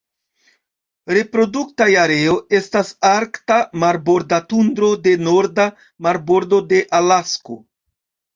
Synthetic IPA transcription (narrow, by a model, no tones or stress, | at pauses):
ɾe̞pɾo̞duktajaɾe̞o̞e̞stasaɾktamaɾbo̞ɾdatundɾo̞de̞no̞ɾda | maɾbo̞ɾdo̞de̞ʔalasko̞̰